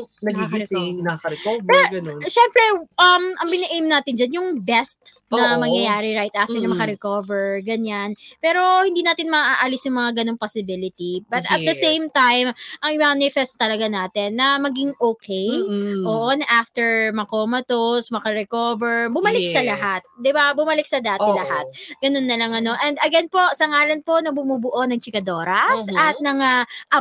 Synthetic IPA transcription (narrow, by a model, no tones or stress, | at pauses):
nɐɐnɐɐɾɛkovpɛɡɐonʃɛmpɾɛʔɐmɐŋbɪnɐʔejmnaːt̪ɪnd͡ʒanjʊŋbɛst̪ | nɐmɐŋjɐjaːɾɪɾajt̪ʔaft̪ɛnɐmɐkɐɾɛkovɛɹɡɐɲanpɛːɾo̞hɪ̃nd̪iːnaːt̪ɪnmɐʔaːʔaːlɪsjʊŋmɐŋaɡɐnoŋposɪbɪlɪt̪ibɐt̪ɐd̪ɐsejmt̪ajmʔɐŋɪmanɪfɛst̪t̪ːɐlɐɡanaːt̪ɪnːɐmɐɡɪŋʔoːkʰejʔoːʔonɐʔaft̪ɛɹmɐkoːmɐt̪osmɐkɐɾɛkoːvɛɹbʊmɐlɪk̚sɐlɐɦat̪̚d̪ɪbabʊmɐlɪk̚sɐd̪aːt̪ɪlɐhat̪̚ɡɐnonːɐlɐŋɐno̞ʔɛnd̪ɐɡɛnpo̞sɐŋaːlɐnpo̞nɐbʊmuːbʊʔo̞nɐŋt͡ʃɪkɐd̪o̞ːɾɐsʔɐt̪̚nɐŋaʔɐ